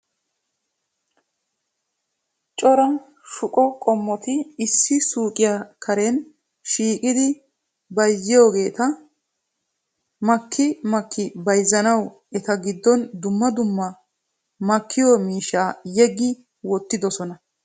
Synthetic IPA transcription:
t͡ʃʼɔɾɐn | ʃʊkʼɔkʼɔmːɔt̪ɪːsːɪsuːkʼɪjakʰɐɾɛn | ʃiːkʼɪd̪ɪ | bɐjzːɪjo̞ːɡe̞ːt̪ɐ | mɐkʰːɪmɐkʰːɪbɐjzːɐnɐw | ɛt̪ɐɡɪd̪ːɔnd̪ʊmːɐd̪ʊmːɐ | mɐkʰːɪjomiːʃaːjɛɡːɪ | wɔt̪ːɪd̪ɔsɔnɐ

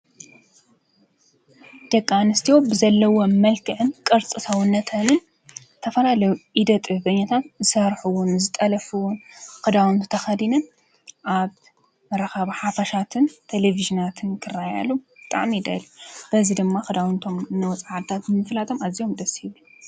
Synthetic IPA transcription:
d̪̥ɐkʼːanɨst̪ʰijobɨzɐlːɐwomɐlkʰɨʕɨnkʼɨɾt͡sʼɨsʰawʊnːɐt̪ʰɐnɨn | t̪ʰɐfɐlalɐjuʔid̪ɐt̪ʼɨhbɐɲːat̪ʰat̪zɨsɐɾħuwʊnzɨt̪ʼɐlɐfɨwʊnkɨd̪awunt̪ʰɨt̪ʰɐxɐd̪inɨn | ʔaβ | mɐɾɐxaβaħafɐʃat̪ʰɨnt̪ʰeleviʒinat̪ʰɨnkʰɨrːaja̰lub̥ɨt̪ʼa̰ʕmid̪a̰jlub̥ɐzid̪ɨmːaxɨd̪awnt̪ʰo̞mnɐwɔt͡sʼaʕat̪ʰat̪nmɨflat̪ʰo̞mazio̞md̪ɐshiβu

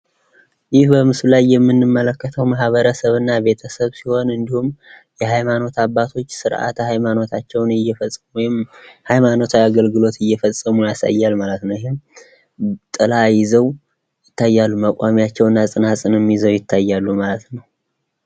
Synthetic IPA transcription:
jɪhbəmɨsulajːɛmːɨnːɨmːələkːət̪ʰəwmaɦβəɾəsəβɨnːabe̞t̪ʰəsəβsiho̞nɨnd̪ihum | jɛhajmano̞t̪aβːat̪ʰo̞t͡ʃːsɨɾʔa̰t̪ʰhajmano̞t̪ʰat͡ʃːɛwnɪjːɛfəsʼːəmujɪmhajmano̞t̪ʰaaɡəlɡɨlo̞t̪ɨjːɛfəsʼəmujasa̰jːalmalət̪nəwjɪhɪm | t̪ʼɨlajɪzəw | jɪt̪ːajːalːuməkʷʼamijat͡ʃːɛwɨnːasʼɨnasʼɨnɨmjizəwjɪt̪ʰːajːalːumalət̪nəw

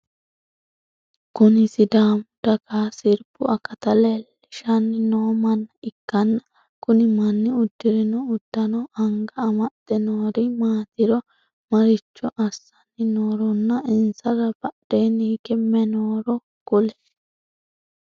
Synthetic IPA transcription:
kʊnɪsɪd̪aːmʊd̪̥ɐkaːsɪɾbʊɐkːɐt̪ɐlɛlː | ɪʃɐnːɪnoːmɐnːɐɪkːɐnːɐ | kʊnɪmɐnːɪʊd̪ːɪɾɪnɔʊd̪̥ːɐnɔɐŋɡɐːmɐd̪̥ɛnoːɾɪmaːt̪ɪɾɔ | mɐɾɪt͡ʃːɔʔɐsːɐnːɪnoːɾɔnːɐɪnsɐɾɐbɐdeːniːkɛmːɛnoːɾɔ | kʊlɛ

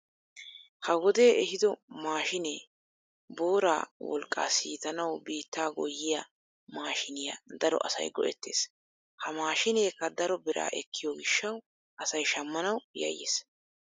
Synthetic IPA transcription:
hɐwɔd̪e̞ːɛhɪd̪ɔmaːʃɪne | bo̞ːɾa̰ːwɔ̰lkʼːa̰ːsiːt̪ɐnɐwbiːt̪ːaːɡɔjːɪjɐ | maːʃɪnɪjɐd̪ɐɾɔ̰ʔɐsɐ̰jɡɔʔɛ̰t̪ːe̞̰ːs | hɐmaːʃɪneːkːɐd̪ɐɾɔbɛɾʔa̰ːʔɛkːɪjoːɡɪʃːɐw | ʔɐsɐjʃɐmːɐnɐwjɐ̰jːḛːs

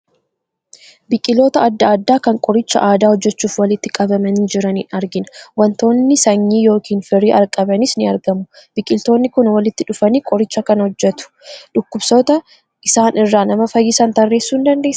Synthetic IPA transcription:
bɪkʼɪlo̞ːt̪ɐːd̪ːɐːd̪ːaːkɐŋkʼɔɾɪt͡ʃːɐ̰ʔaːd̪aːhɔd͡ʒːɛt͡ʃːuːfwɐlɪt̪ːɪkʼɐbɐmɐnːd͡ʒɪɾɐnḭːnɐɾɡɪnɐwɐnt̪o̞ːnːɪsɐɲːiːjo̞ːkiːnfɪɾiːʔɐɾkʼɐbɐnɪsnɪɐɾɡɐmʊbɪkʼɪlt̪o̞ːnːɪkʊnwɐlɪt̪ːɪᶑʊfɐniːkʼɔɾɪt͡ʃːɐkɐnhɔd͡ʒːɛt̪ʊ̥ᶑʊkːʊbsɔt̪ɐ | ʔɪsaːnɪrːaːnɐmɐfɐjːɪsɐnt̪ɐrːe̞ːsːuːɪnd̪ɐnd̪e̞ːsːɐ̥

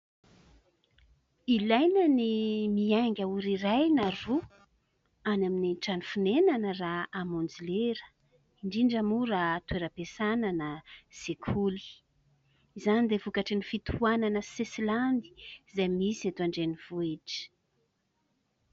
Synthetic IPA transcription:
ilajnənimiaŋɡʲauɾirajnaru | anaminiʈ͡ʂanifunenanəraamond͡zileɾə̥ | iɳɖ͡ʐiɳɖ͡ʐamuɾat̪weɾəpesananəz̥ekʰuli̥ | izanid̪evukaʈ͡ʂinifit̪ʰuananəsesiland̪i̥zajmisiat̪aɳɖ͡ʐeniv̥ueʈ͡ʂə̥

